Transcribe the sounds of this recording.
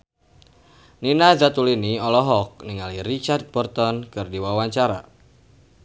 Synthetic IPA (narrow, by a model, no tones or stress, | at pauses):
ninazat̪uliniɔlɔɦɔk̚niŋalirit͡ʃard̪̚bɔrt̪ɔnkɨrdiwawaɲt͡ʃaɾa